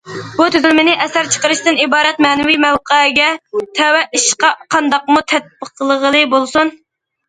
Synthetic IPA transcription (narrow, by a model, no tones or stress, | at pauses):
b̥ut̪ʰyzylmɪnɪʔɛsæɾt͡ʃʰə̥qəɾɨʃt̪ɨnibɑːɾɛt̪̚mɛːnɪwimɛwqəɡʲɛt̪ʰɛwɛʔiʃqɑqʰɑnd̪ɑqmut̪ʰɛt̪̚bəqʰlˠəʁəlˠɨbolˠsun